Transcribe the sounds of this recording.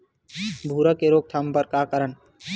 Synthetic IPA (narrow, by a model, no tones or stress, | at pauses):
bʱuːɾəkeɾoːk̚t̪ʰampəɾkaːkəɾən